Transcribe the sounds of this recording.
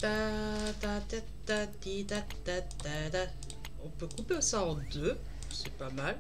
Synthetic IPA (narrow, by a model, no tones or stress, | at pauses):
t̪at̪at̪ɛ | t̪ːat̪id̪at̪ːat̪ad̪a | ɔ̃pøkupeosaɑ̃d̪ø | sɛpamal